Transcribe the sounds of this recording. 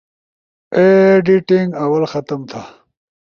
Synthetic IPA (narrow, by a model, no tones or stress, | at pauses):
eɖiʈiŋɡɐwɐlxɐt̪ɐmt̪ʰa